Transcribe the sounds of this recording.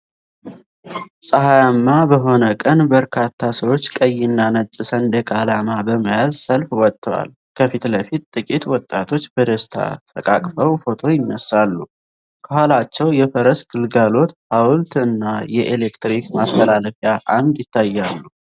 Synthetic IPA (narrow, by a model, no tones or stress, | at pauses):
sʼəɦajamːabəɦo̞nəkʼənbəɾkʰat̪ʰːasəwo̞t͡ʃːkʼəjːɪnːanət͡ʃʼːɪsənd̪əkʼalamabəmajazsəlfwɔt̪ʼːəwa̰l | kʰəfit̪ləfit̪t̪ʼɨkʼit̪wɔt̪ʼːat̪ʰo̞t͡ʃːbəd̪əst̪ʰa̰t̪ʰəkʼa̰kʼfəwfo̞t̪ʰo̞jɪnːəsːalːu | kʰəhalat͡ʃːɛwjɛfəɾəsɡ̥ɨlɡalo̞t̪hawlt̪ɨnːajɛʔelekt̪ɾikmast̪ʰəlaləfjaʔand̪jɪt̪ʰːajːalːu